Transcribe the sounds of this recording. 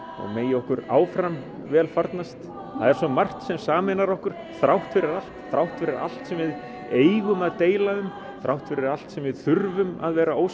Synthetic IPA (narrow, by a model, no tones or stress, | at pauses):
ɔ̰meːjɪɔhkʏɾaːwfɾam | vɛːlfaɾt̪nast̪ | θaðɛɾ̥sɔmar̥t̪sɛmsaːmɪnaɾɔhkʏɾ̥ | θɾawht̪fɪɾɪɾal̥t̪θɾawht̪fɪɾɪɾa̰l̥t̪sɛmvɪð | eːjɣʏmaðt̪eːjlaðʏm | θɾʔawht̪fɪɾɪɾal̥t̪sɛmvɪðθʏɾvʏma̰ðvɛːɾaoːw